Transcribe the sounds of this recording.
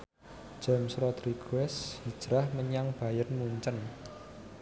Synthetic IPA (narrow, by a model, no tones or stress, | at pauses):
d̥ʒ̥a̤msɾɔd̪̥ɾiɡ̥uɛshid̥ʒ̥ɾahməɲaŋb̥a̤jənmuɲt͡ʃən